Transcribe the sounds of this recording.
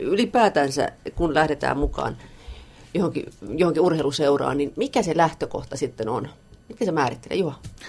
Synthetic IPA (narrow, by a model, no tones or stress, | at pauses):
ylipæːt̪ænsæ̰kunlæhɾet̪æ̰ːmmukɑ̰ːn | johoŋkḭjohoŋkiurheiluseurɑ̰ːnninmikæselæht̪øko̰ht̪ɑsit̪ːenon | mit̪ːæsemæːrit̪ːelḛjuhɑ